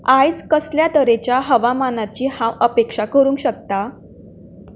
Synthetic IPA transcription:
ajd͡zkəsljat̪əɾet͡ɕjaɦəʋamanat͡ɕiːhãwəpekʂakəɾuːŋkɕək̚t̪a

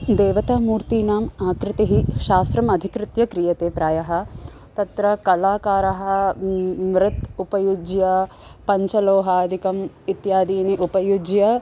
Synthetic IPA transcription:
d̪eːʋɐt̪aːmuːɾt̪iːnaːmaːkɾɪt̪eɦiʃaːst̪ɾɐmɐd̪ʱikɾɪt̪jɐkɾijɐt̪eːpɾaːjɐɦɐ̆ | t̪ɐt̪ɾɐkɐlaːkaːɾɐɦɐ | mɾɪt̪upɐjud͡ʒjɐ | pɐɲt͡ʃɐloːɦaːd̪ʱikɐm | it̪jaːd̪iːniʔupɐjud͡ʒjɐ

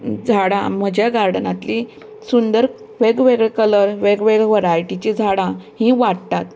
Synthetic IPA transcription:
d͡zʱaɽã̰m̤əd͡ʑjaɡaɾɖnat̪li | sund̪əɾ | ʋeɡʋeɡɭekələɾʋeɡʋeɡʋəɾajʈit͡ɕid͡zʱaɽãhĩʋaɽt̪at̪

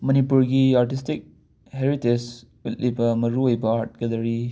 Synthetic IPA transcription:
mɐnipuɾɡiaɾʈistik̚ | heɾites | utlibɐmɐɾuojbɐaɾt̚ɡɐlɐɾi

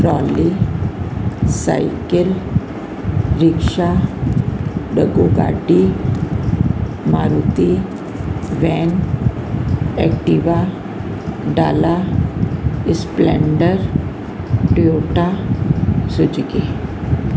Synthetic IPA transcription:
pɾɔːli | sa̰ɪkəl | ɾɪkʃa | ɖəɡoɡa̰ːɖi | maːɾuːt̪i | ʋɛːn | ɛ̰kʈiʋa | ɖa̰ːla | ɪsplɛ̰̃ːɳɖəɾ | ʈioːʈa | sʊd͡ʒɡe

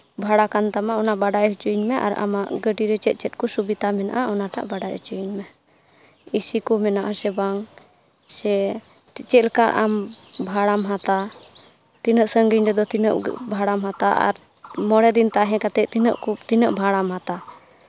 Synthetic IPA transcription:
bʱaɽakant̪amaʔɔnabaɖajɦut͡ʃuɲmɛʔa̰ɾa̰maʔɡəɖiɾɛt͡ʃɛt̪̚ˀt͡ʃɛt̪̚kɔsubit̪amɛna̰ʔaʔɔnaʈa̰ʔbaɖajṵt͡ʃuɲmɛ | isikɔmɛnaʔasɛbaŋ | sɛ | t͡ʃɛt̪lkaɾʔambʱaɽamɦat̪a | t̪inəʔsəŋɡiɲɾɛd̪ɔt̪inəʔbʱaɽamɦat̪aʔa̰ɾ | mɔɽɛd̪int̪aʔɦɛ̃kat̪ɛʔt̪inəʔkut̪inəʔbʱaɽamɦat̪a

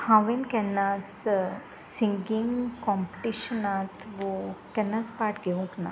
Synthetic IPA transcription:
hãʋenkɛnːat͡s | siŋɡiŋɡkɔːmpʈiʃənaːt̪ʋokɛnːaspaːʈɡeũŋkna̰

